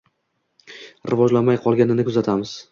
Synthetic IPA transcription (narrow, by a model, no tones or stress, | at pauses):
ɾɪvɒd͡ʒlamajqʰɒlˠɡʲanɪnɪkʰʊzat̪ʰamɪz̥